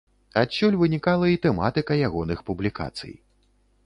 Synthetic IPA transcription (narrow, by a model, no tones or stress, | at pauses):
at͡ɕʲːɔlʲvɨnʲikalˠɐit̪ɛma̰t̪ɨkɐjaɣɔnɨxpublʲika̰t̪sɨ̰j